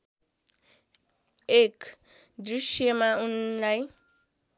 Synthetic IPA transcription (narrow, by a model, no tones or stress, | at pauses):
ek | d̪usjʌmaunlaj